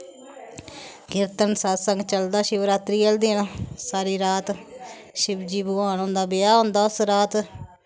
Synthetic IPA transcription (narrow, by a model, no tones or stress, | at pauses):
ɡɪɾt̪ənsaːsəŋɡt͡ʃəld̪aːʃɪʋɾaːt̪ɾiːəld̪iːnaːsaːɾiːɾaːt̪ | ʃɪbd͡ʒiːboaːnõːnd̪aːbɪjaːɦõːnd̪aːʊsɾaːt̪